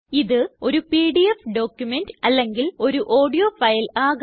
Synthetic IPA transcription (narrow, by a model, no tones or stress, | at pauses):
iðɨo̞ɾupiːɖiefɖo̞ːkjumendɨɐlːe̞ŋɡilo̞ɾuʔo̞ːɖijoːfɐjlaːɣ